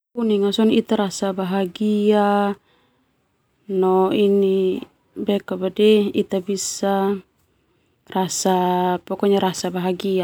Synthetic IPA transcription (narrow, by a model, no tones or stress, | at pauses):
uniŋasɔnit̪aɾasabaɦaɡia | nɔini | bɛkabadɛit̪abisa | rasapɔkɔɲaɾasabaɦaɡia